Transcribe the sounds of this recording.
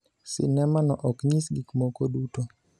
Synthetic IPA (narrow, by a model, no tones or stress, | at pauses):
sɪ̰nɛmanɔʔɔkɲisɡikmokoduto